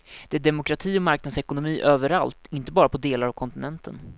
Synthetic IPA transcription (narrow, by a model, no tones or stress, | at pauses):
d̪̥ɛæɖɛmʊkʰɾat̪ʰiːɔmaɾknad̪sɛkʊnʊmiːʔøːvəɾa̰lt̪ɪnt̪əbɑːɾapʰɔd̪eːlaɾavkʰɔnt̪ɪnɛnt̪ʰə̰n